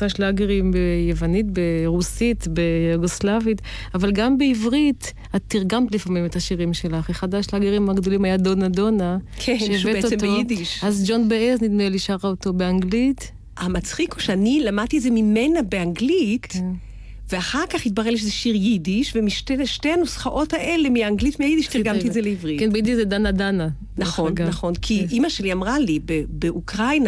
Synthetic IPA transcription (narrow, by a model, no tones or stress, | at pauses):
saʃlaɡeʁimbejevanitbeʁusit̪bejuɡoslavit | avalɡambeivʁit̪ | at̪ːiʁɡamt̪lifamimetaʃiʁimʃe̞laχeχad̪aʃlaɡeʁimaɡdo̞limajad̪onado̞nakevetotidiʃazd͡ʒo̞nbeeznid̪meliʃaʁaoto̞beaŋɡlit | amat͡sχikuʃeanilamad̪̚t̪ietzemimenabeaŋɡlit | veaχaʁkaχit̪̚baʁeliʃezeʃiʁjidiʃvemiʃteʃtejhanusχaʔo̞thaʔe̞le̞miaaŋɡlitmiajid̪iʃt̪iʁɡammt̪iezeleivʁikenbejid̪iʃzed̪anad̪ana | naχo̞nnaχo̞nkʰiʔimaʃe̞liamʁalibebeʔukʁajna